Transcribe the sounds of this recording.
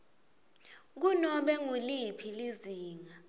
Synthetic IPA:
k̬unɔɓɛŋulipʰiliziːŋa

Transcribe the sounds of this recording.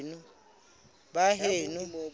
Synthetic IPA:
nu | baɦeːnu

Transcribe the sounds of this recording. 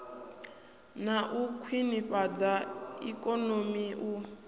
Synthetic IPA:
naʔukʰwiniɸʼad͡zaḭkʼɔnomiʔu

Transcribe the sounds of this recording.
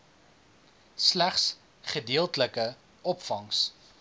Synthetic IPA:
slæχs | χədiəlˠtələkə | ʔɔpfɐŋs

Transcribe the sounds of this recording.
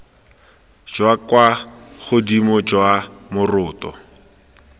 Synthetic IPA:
d͡ʒwakwaχʊdimɔd͡ʒwamʊrʊːtɔ̰

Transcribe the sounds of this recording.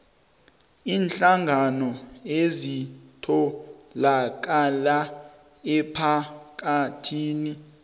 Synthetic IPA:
iːnɬaŋɡʱanɔezitʰɔlak̬ʼala | ɛpʰak̬atʰiːni

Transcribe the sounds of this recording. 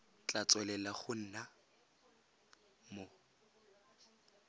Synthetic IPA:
t͡ɬʼat͡sʼwɛlɛlaχʊn̩ːna | mo

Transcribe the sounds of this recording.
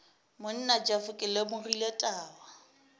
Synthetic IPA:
mʊn̩nad͡ʒafʊkʼɪlemʊriletʼaːwa

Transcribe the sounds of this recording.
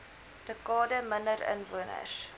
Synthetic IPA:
d̥əkɑːdəməndəɾə̰nvuənə̰s

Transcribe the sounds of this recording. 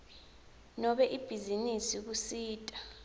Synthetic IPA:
nɔɓɛʔib̥ʱizinisik̬usiːtʼa

